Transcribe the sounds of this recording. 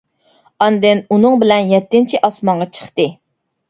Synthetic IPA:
ɑnd̪ɨnunɨŋbɪlɛnjɛt̪ːɪnt͡ʃʰiʔɑsmɑɴʁɑt͡ʃʰə̥χt̪ɨ

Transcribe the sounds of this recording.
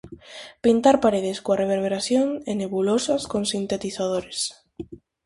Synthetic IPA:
pint̪aɾpaɾeð̞eskoareβ̞eɾβeɾaθjoŋeneβulosaskonsint̪et̪iθað̞oɾes

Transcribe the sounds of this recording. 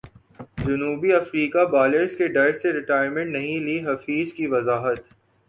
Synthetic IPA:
d͡ʒʊnuːbiɐfɾiːkabaːleɾskeɖɐɾseɾɪʈaːjɾmə̃ɳʈnɐɦĩliɦɐfiːzkiʋɐzaːɦət̪

